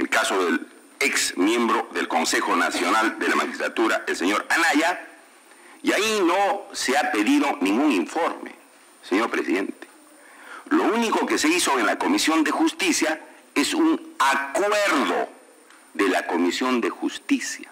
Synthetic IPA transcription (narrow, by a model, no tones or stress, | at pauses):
ḛlkaso̞ðel | eksmje̞mbɾo̞ðe̞lko̞nse̞xo̞na̰sjo̞nald̪e̞lamaxist̪lat̪uɾaʔelse̞ɲo̞ɾanaʝa | iaino̞seape̞ðiðo̞nĩŋɡuŋiɱfo̞ɾmḛ | seɲo̞ɾpɾe̞siðe̞nt̪e̥ | louniko̞ke̞seisoenlako̞misjo̞nd̪exust̪isja | e̞sunakwe̞ɾðo̞̰ | ðelako̞misjo̞nd̪e̞xust̪isja